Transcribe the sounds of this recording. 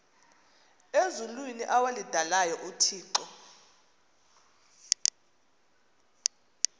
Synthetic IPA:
ezulwiniʔawalid̥ʱalajɔʔutʰiːǃɔ

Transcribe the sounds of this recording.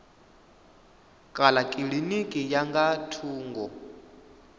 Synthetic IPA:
kʼalakʼiɺinikʼijaŋɡatʰuːŋɡɔ

